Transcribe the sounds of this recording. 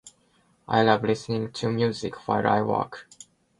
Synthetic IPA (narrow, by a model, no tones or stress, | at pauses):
ʔa̰ɪlavlɪsnɪ̃ŋtʰumjuzɪkfaɪɹa̰ɪwɔ̰k